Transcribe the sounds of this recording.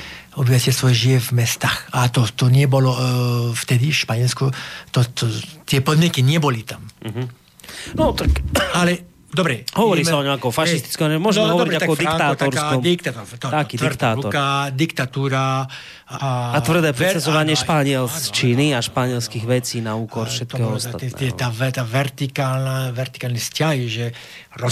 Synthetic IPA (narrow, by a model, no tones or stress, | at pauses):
ɔbivasɛɛsʋɔjɛʒiɛvmɛst̪aːxat̪ɔt̪ɔɲɪɛbɔlɔft̪ɛd̪iʃpaɲɪɛlskut̪ɔt̪ɔt̪ɪɛpɔd̪mɲɛkiɲɪɛbɔlit̪amɦ | nɔt̪akalɛ | d̪ɔbɾɛɦɔʋɔɾiːmaɔɲɔ̃makɔfaʃist̪i̥t͡skɔmɛmʊɔʒɛmɛɦɔʋɔɔɾiɾiat̪aɔd̪ik̪aːt̪ɔɾssakɔmd̪ik̚t̪at̪ɔɾt̪ɔakiːd̪t̪aːtɾɔɾkad̪ikt̪at̪uːɾa | aat̪vr̩d̪ɛːpɾɛsazɔʋaɲɪɛʃpaɲɪɛlst͡ʃiːniaʃpaɲɪɛlskiɣʋɛt͡siːnauːkɔɾfʃɛt̪ɔɛɦɔɔsaɛɛt̪aːʋɛt̪aʋɛɾt̪ikalnaʋɛrt̪i̥kaːlniscaɦiʒɛ | ɾɔ